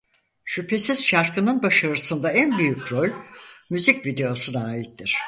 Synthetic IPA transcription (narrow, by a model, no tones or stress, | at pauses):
ʃypʰe̞siz̥ʃaɾkɯnɯnbaʃaɾɯsɯnd̪aænbyjycɾo̞lʲmyzicvid̪e̞osɯnaːjit̪ːiɾ̝̥